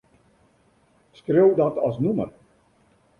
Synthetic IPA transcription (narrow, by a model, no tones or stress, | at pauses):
skrewdɑtɑ̰snumə̰r